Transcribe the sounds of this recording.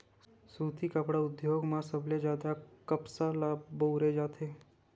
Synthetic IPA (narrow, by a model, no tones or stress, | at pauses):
suːt̪ʰikəpɽaʊd̪joːɡmãsəbled͡ʒjaːd̪akəpsalaːboːɾed͡ʒaːt̪ʰeː